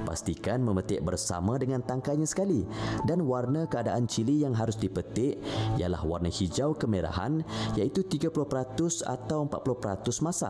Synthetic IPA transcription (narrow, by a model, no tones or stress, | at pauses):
pa̰st̪ikanmə̃mət̪ɪʔbərsa̰mãdəŋant̪aŋkaɲasə̥kalidanwarnakəadaʔant͡ʃilijaŋɦaɾʊsdipət̪ɪʔija̰la̰hwa̰rnahid͡ʒawkəmeɾa̰ha̰njait̪ut̪iɡapulʊhpəɾat̪ʊsa̰t̪awəmpat̪̚pulʊhpəɾa̰t̪ʊsmasa̰